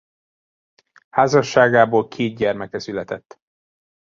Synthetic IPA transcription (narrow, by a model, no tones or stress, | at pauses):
haːzɒʃːaːɡaːboːlkʰeːd̪̚ɟɛrmɛkɛsylɛt̪ɛt̪ː